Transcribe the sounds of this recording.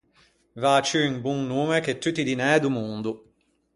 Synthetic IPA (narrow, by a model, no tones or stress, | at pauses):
vat͡ʃyiŋbuŋnuːmeket̪ːut̪ːid̪inɛd̪umund̪u